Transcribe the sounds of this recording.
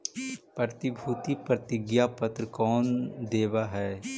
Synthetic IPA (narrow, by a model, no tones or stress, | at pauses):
pɾət̪ɪbʱuːt̪ipɾət̪ɪɡjapət̪ɾəkɔːnd̪eːʋaɦɛː